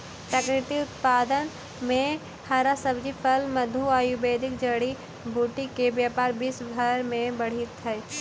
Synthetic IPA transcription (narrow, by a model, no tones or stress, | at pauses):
pɾakɾɪt̪iʊt̪paːd̪ən | mẽ | haːɾasəbd͡ʒipʰəlməd̪ʱuaːjubeːd̪ɪk̚d͡ʒəɽi | bʱuːʈikebjaːpaːɾbiːsbʱəɾmẽbəɽ̤it̪ɛ